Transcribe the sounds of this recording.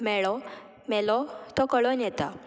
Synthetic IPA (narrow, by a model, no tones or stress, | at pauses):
mɛɭɔ | mɛlɔt̪ɔkəɭɔnjɛt̪a